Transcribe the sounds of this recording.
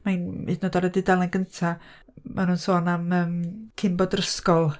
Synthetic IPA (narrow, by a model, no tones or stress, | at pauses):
manḭdnodaɾədidalˠanɡəntʰa | mʔanuːnsɔːnaməːmkʰɪmbɔdrəskɔlˠ